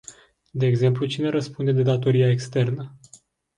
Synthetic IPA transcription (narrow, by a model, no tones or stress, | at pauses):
d̪e̞ːɡze̞mplut͡ʃine̞ɾəspund̪e̞d̪e̞d̪at̪o̞ɾiaekst̪e̞rnə